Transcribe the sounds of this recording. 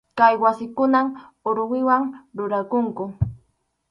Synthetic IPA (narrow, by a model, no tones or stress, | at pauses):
kajwasɪkʊnam | ʊɾwɪwaŋɾʊɾakʊŋkʊ